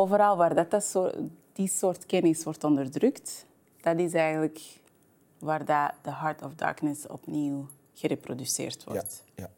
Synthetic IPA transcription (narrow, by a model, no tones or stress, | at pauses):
oːvəɾɑlˠʋaːrdɑtsd̥isoːrtkɛnɪsʋɔrtɔndərdrʏkt | d̥ɑtɪs̬ɛjɣənlək | ʋaːrdad̥əɦɑɹtɔfdɑ̰ːɹknəsɔ̰pniw | ɣ̥əɾeprodysɪ̰ːrtʋɔ̰t